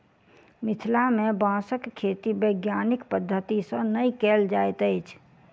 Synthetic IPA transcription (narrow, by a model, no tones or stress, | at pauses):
mɪt̪ʰlamẽbãːsəkkʰːeːt̪ibəɪɡjaːnɪkpəd̪ʱːət̪isə̃nəikeːld͡ʒajt̪əɪt͡ʃʰ